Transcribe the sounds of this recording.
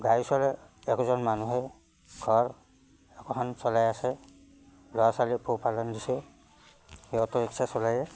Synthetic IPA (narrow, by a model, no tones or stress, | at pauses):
ɡajsɔlɛ | ɛkɔzɔnmanuɦɛ | ɡ̥ʱɔɹ | ɛkɔkʰansɔlajasɛ | lɔasalipʰɔpalɔndisɛ | heɔtɔɹiksasɔlajɛ